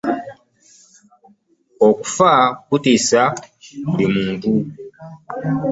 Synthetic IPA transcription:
oku̥fakutisalimuːntu

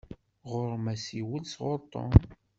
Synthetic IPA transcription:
ʁʊɾˤmæsiwəlsʁʊɾˤt̪ˤo̰m

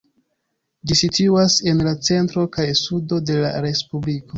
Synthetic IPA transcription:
d͡ʒisituase̞nlat͡se̞ntɾo̞kajsudo̞de̞la̰ɾe̞spubliko̞

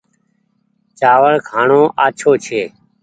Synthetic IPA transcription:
t͡ʃaːʋəɭkʰaːɳoːʔaːt͡ʃʰoːt͡ʃʰeː

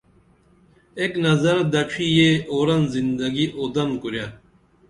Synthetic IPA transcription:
eknɐzɐɾd̪ɐʈ͡ʂʰijeoːɾɐnzind̪ɐɡiʔod̪ɐnkuɾja

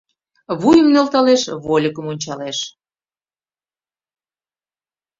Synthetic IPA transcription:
βujəmnelt̪ɑleʃβolʲəkəmonʲt͡ɕɑleʃ

